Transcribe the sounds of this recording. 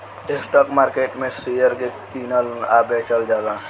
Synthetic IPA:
esʈɔkmaɾkeʈmẽsijəɾkekinəlabet͡ʃəld͡ʒalã

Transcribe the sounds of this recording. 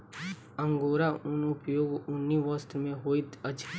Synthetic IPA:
ə̃ŋɡoːɾaʊnʊpjoːɡʊnːiʋɔst̪ɾmẽɦoːit̪əd͡ʒ

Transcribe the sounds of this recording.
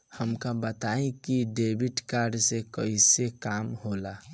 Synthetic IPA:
həmkabət̪aĩkiɖebiʈkaɾɖsekəisekamhola

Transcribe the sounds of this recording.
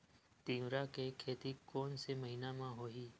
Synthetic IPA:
t̪ĩːwɾakekʰeːt̪ikɔːnsemɐɦinamãɦoːɦiː

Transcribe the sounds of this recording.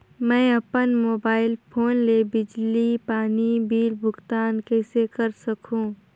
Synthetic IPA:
mɛ̃ːɐpənmoːbaːɪlpʰoːnlebɪd͡ʒlipaːnibiːɾbʱʊɡt̪aːnkɛːsekɐɾsɐkʰũː

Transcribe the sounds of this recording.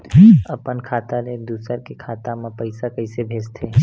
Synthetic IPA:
ɐpənkʰaːt̪aled̪uːsəɾkekʰaːt̪amãpəɪsakəɪsebʱeːd͡ʒt̪ʰeː

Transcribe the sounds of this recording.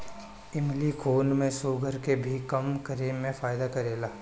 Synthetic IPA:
ɪmlikʰoːnmẽsoːɡʱəɾkebʱikɐmkɐɾiːmːẽfaːjd̪akɐɾeːlaː

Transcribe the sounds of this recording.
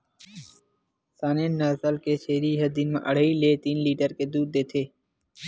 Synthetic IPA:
saːneːnːaːzəlkeːʃeːɾiːɦəd̪iːnmḛ̃ʔəɽ̤əiːleːt̪iːnliːʈəɾkeːd̪uːd̪̚ːeːt̪ʰeː

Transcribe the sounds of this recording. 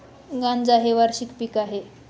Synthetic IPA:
ɡãnd͡zaɦeʋaɾɕikpiːkaɦe

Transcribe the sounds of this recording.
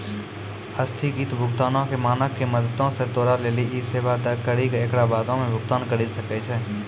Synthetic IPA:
əst̪ʰiɡiːt̪bʱʊɡt̪aːnõkemaːnəkːeməd̪ət̪õset̪oːɾaleːliʔiseːʋad̪əkəɾikeekɽabaːd̪õmẽbʱʊɡt̪aːnkəɾisəket͡ʃʰɛː

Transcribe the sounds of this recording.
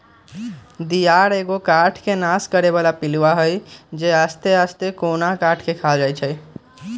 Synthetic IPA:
d̪ijaɾeɡokaʈʰkenaskəɾeβalapiluʋaɦəjd͡ʒeast̪east̪ekonakaʈʰkekʰald͡ʒajt͡ʃʰəj

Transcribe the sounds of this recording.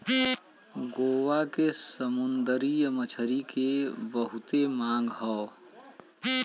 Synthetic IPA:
ɡowakesəmund̪əɾijəmət͡ʃʰəɾikebəɦʊt̪emãŋɡɦɔː

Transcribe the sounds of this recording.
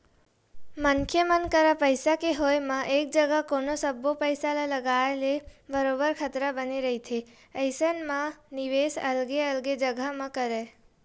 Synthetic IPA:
məŋkʰjəmənkəɾapəjsakeɦojmãʔek̚d͡ʒəɡakonosəbopəjsalaləɡaelebəɾobəɾkʰət̪ɾabəniɾəɦit̪ʰe | əjsənmãniʋesə̰lɡeəlɡed͡ʒəɡʱamãkəɾe

